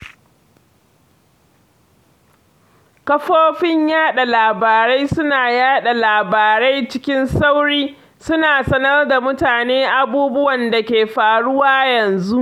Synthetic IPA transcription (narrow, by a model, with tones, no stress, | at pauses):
kɐ˦ɸoː˦ɸɪ˦ɲjaː˦ɗa˨laː˨baː˨ɾa˦jsʊ˦naː˨jaː˦ɗa˨laː˨baː˨ɾa˦jt͡ʃɪ˦kʲɪ˦nsa˦wɽiː˦ | sʊ˦naː˨sɐ˦nɐ˦rda˨mʊ˦taː˨neː˦ʔa˦buː˦bʊ˦wɐ˨nda˨kʲeː˨ɸaː˨ɽʊ˦waː˦jɐ˨nzu˦ʔ